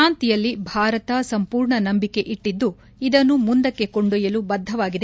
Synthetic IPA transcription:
aːnt̪ijɐlːibʱaːɾɐt̪ɐsɐmpuːɾɳɐnɐmbike̞ʔiʈːid̪ːu | id̪ɐnːumund̪ɐkːe̞koɳɖujɐlubɐd̪ʱːɐʋaːɡid̪e

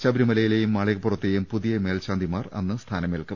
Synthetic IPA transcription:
t͡ɕɐbɾumɐlɐjilejumːaːɭeɣɐpːurɐt̪ːejumpuðijɐme̞ːlt͡ɕaːnd̪ʱimaːrɐ̰nːɨst̪ʰaːnɐmelkɐ

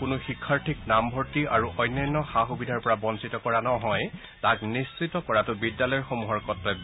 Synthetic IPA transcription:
kʊnʊxikʰːaɹtʰiknambʱɔɹtiaɹuʔɔjnːɔjnːɔxaxubidʱaɹpɔɹabɔnsitɔkɔɹanɔɦɔj | taknist͡ʃitɔkɔɹatʊbidːalɔjɹxomuɦɔɹkɔtɹɛ

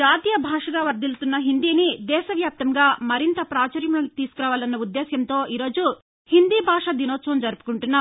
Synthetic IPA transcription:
d͡ʒaːt̪ijɐbʱaːʂɐɡaːʋɐɾd̪ilt̪unːɐɦind̪iːnid̪ɛːʃɐʋjaːp̚t̪ɐŋɡaːmɐɾint̪ɐpɾaːt͡ʃɐɾjɐmuɽɐnkt̪iːsu̥kuɾaːʋaːlɐnːɐud̪ːɛːsjɐmnt̪o̞ːʔiːɾo̞ːd͡ʒu | hind̪iːbʱaːʂɐd̪inoːt̪t͡ʃːɐnd͡ʒɐɾupu̥kuɳʈunːaː

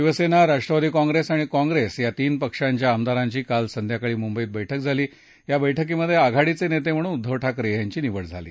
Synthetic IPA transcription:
ʋiʋəsenaɾaʂʈɾəʋad̪ʱiːkɔ̃ŋɡɾesaɽ̃ikɔ̃ŋɡɾesjat̪iːnpəkʂaɲt͡ɕjaːmd̪aɾãɲt͡ɕiːkalsənd̪ʱjakaɭiːmumbəiːt̪̚bəjʈʰək̚d͡zʱaliː | ɦjabəjʈʰəkeməd̪ʱːjeaɡʱaɽit͡senet̪em̤əɽ̃uːnud̪ʱːəʋʈʰakɾejaɲt͡ɕiːniʋəɽd͡zʱalḭː

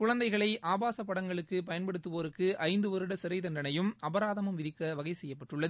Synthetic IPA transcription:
kʊɻɐnd̪ɐɪɣɐɭɐɪʔaːbaːsɐpːɐɽɐŋɡɐɭɯkːɯpɐjɐnpɐɽɯt̪ːɯʋoːɾɯkːɯʔɐɪnd̪ɯʋɐɾɯɽɐsɪɾɐɪt̪ɐndɐnɐjɯmɐbɐɾaːðɐmɯmʋɪðɪkːɐʋɐɣɐɪsɛjːɐpːɐʈrɯɭːɐð

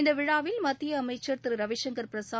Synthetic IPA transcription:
nd̪ɐʋɪɻaːʋɪlmɐt̪ːɪjɐːmɐɪt͡ʃːɐɾt̪ɪɾɾɐʋɪʃɐŋɡɐɾpɪɾɐsaː

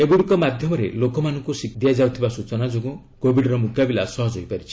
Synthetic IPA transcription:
eɡuɽikɔmad̪ʱjɔmɔɾelokɔmanɔŋkusikd̪iad͡ʒawt̪ʰibasut͡ʃɔnad͡ʒoɡũ | kobiɖɾɔmut̪abilasɔɦɔd͡ʒʱɦojpaɾit͡ʃʰi̥

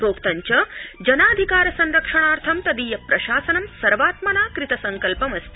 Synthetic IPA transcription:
ɾoːkt̪aɲt͡ɕɐd͡ʑɐnaːd̪ʱikaːɾɐsɐnɾɐkʂɐɽ̃aːɾt̪ʰɐmt̪ɐd̪iːjɐpɾɐʃaːsɐnɐmsɐɾʋaːt̪mɐnaːkɾit̪ɐsɐŋkɐlpɐmɐst̪i̥

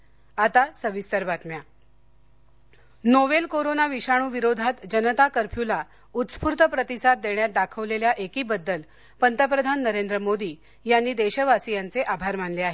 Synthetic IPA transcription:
at̪asəʋist̪əɾbat̪mja | noʋelkoɾonaʋiɕaɽ̃uːʋiɾod̪ʱat̪d͡ʑənət̪akəɾpʰjula | ut̪spuɾt̪əpɾət̪isat̪̚d̪eɳjat̪̚d̪akʰəʋleljaʔekiːbəd̪ːəl | pənt̪ʰəp̬ɾəd̪ʱanːəɾend̪ɾəmod̪iː | janːiːd̪eɕəʋasijant͡seʔabʱaɾm̤anleaɦe

